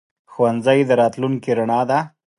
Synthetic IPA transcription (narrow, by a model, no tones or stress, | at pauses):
xwanzajd̪əɾɑt̪luŋkiɾaɳɑd̪a